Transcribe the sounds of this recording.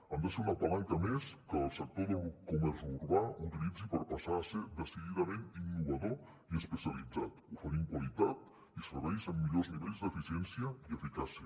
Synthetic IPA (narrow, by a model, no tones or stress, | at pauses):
and̪əseɾunapalant̪ameskəlˠsək̚t̪oðəlkumɛɾzuɾβaut̪ilid͡zipəɾpasased̪əsiðiðamẽninːuβ̞aðo | iəspəsjalid͡zat̪ufəɾiŋkwalit̪at̪̚ | isfəβɛisəmːiʎozniβɛlzd̪əfisjɛnsjaiəfikasjə